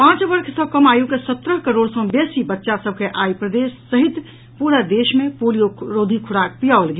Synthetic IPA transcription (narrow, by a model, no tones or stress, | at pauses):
pãːt͡ʃbəɾkʰsəbkəmajukesət̪ɾəɦkəɾoːɽsɔ̃besibətːʃasəb̚ʱkeʔaipɾəd̪esːəɦit̪ | puɾəd̪eʃmepolijoɾod̪ʱikʰuɽak̚pijaoəlɡe